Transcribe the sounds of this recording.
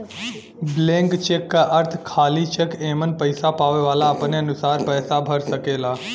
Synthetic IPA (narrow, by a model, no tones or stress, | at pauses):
blẽːŋkt͡ʃeːkːaʔɐɾt̪ʰkʰaːlit͡ʃekeːmənpɐɪsapaːʋeʋaːlaɐpneɐnʊsaːɾpɛːsabʱɐɾsɐkeːlaː